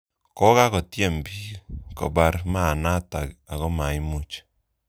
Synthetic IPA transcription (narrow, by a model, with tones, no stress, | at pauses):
kɔ˦ka˦kɔ˨tje˦˨mbi˦kɔ̰˨ba˨˧ɾma˦˨na˦ta˨ka˨kɔ˦ma˨i˦mu˦t͡ʃ